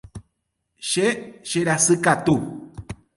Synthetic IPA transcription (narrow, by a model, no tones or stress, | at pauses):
ʃeʃeɾasɨkat̪u